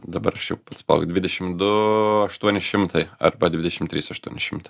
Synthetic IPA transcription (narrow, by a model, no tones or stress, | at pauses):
d̪ɐbɐɾɐʃjɛʊpɐt̪spɐ̰lˠkd̪ʲʋʲɪd̪ʲɛʃʲɪmd̪ʊɐʃt̪uɔnʲɪʃʲɪmt̪ʰɐɪɐ̰rbɐd̪ʲʋʲɪd̪ʲɛʃʲɪmt̪ʲɾʲiːsɐʃt̪uɔnʲɪʃʲɪmt̪ɐ